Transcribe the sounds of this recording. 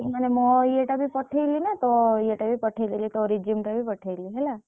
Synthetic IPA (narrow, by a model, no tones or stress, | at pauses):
manemɔ̃jeʈabʱipəʈʰejlinat̪oeʈabʱipəʈʰelilit̪oɾid͡ʒimʈabʱipəʈʰeliɦɛla